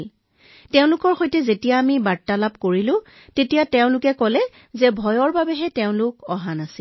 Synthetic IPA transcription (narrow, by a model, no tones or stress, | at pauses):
l | tɛʊ̃lʊkɔɹxojtɛzetijaːmibatːalap̚koɹilʊ̃ | tetijatɛʊ̃lʊkɛkɔlɛ | zɛbʱɔjɔɹbabɛɦɛtɛʊ̃lʊkɔɦanasi